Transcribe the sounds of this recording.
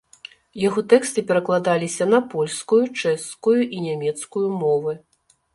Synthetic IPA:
jaɣɔt̪ɛkst̪ɨpʲɛɾɐklˠad̪alʲisʲɐnɐpɔlʲskujut͡ʂɛskujuʔinʲamʲɛt̪skujumɔvɨ

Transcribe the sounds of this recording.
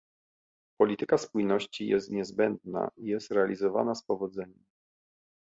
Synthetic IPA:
pɔlʲit̪ɘkaspujnɔɕt͡ɕijɛst̪ɲɛzbɛnd̪na̰ijɛst̪ɾɛalʲizɔva̰naspɔvɔd̪zɛɲɛm

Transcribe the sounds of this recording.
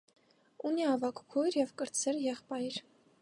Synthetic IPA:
uniɑvɑkkʰɔjɾjɛvkəɾt͡sʰɛɾjɛχpɑjɾ

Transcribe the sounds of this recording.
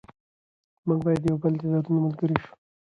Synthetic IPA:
muŋɡbɑjad̪jawbəlt̪ɪd̪ɑɾunaməlɡəɾeʃu̥

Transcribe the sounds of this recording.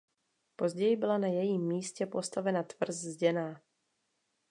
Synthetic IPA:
po̞zɟɛjɪbɪlanajɛjiːmːiːscɛpo̞st̪avɛnat̪vr̩zzɟɛnaː

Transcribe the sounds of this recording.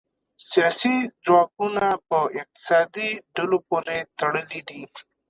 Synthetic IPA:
sijasizwak̚unapəɪq̚t̪ɪ̥sɑd̪iɖalopoɾet̪əɽəlid̪i

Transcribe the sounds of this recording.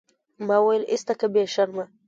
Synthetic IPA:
mɑwajlist̪akabeʃaɾma

